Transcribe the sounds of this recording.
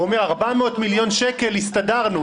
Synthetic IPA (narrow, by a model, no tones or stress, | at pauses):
omeʁaʁbameot̪miljo̞nʃeke̞lhist̪adaʁnu